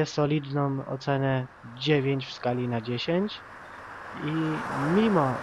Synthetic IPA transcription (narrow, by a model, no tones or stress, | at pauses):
ɛsɔlʲid̪nɔ̃mɔ̰t̪sɛnɛ | d͡ʑevʲjeɲt͡ɕfskalʲinad͡ʑeɕeɲt͡ɕ | imʲimɔ